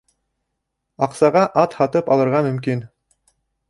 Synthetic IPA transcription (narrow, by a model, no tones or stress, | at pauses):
ɑqsɑʁɑʔɑt̪hɑt̪ɤpɑlˠɤ̆ɾʁɑmɵ̆mkin